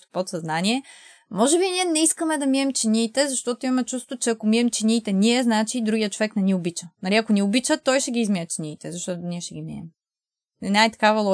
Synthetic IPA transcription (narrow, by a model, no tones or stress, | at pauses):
t̪pot̪sɐznaniɛ | mɔʒɛbinʲiɛnɛiskəmɛd̪ɐmiɛmt͡ʃiniːt̪ɛzɐʃt̪ɔt̪oimɐmɛt͡ʃust̪vot͡ʃɛɐkomiɛmt͡ʃinʲiːt̪ɛniɛznat͡ʃid̪ɾuɡijətt͡ʃovɛknɛniobit͡ʃənɐɾiɐkoniobit͡ʃət̪ɔjʃɛɡiːzmiɛt͡ʃiniːt̪ɛzɐʃt̪ɔt̪ʊniɛʃɛɡimiɛ̰m | ɛnʲajt̪ɐ̥kavɐlˠɔ